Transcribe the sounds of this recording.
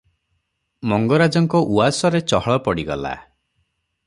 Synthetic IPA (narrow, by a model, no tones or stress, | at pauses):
mɔŋɡɔɾad͡ʒɔŋkɔʔuasɔɾet͡ʃɔɦɔɭɔpɔɽiɡɔ̰la̰